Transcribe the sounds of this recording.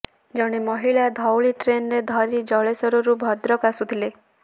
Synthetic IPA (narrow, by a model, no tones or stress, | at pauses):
d͡ʒɔɽ̃emɔɦiɭad̪ʱɔwɭiʈɾenɔɾed̪ʱɔɾid͡ʒɔɭesɔɾuɾubʱɔd̪ɾɔkasut̪ʰile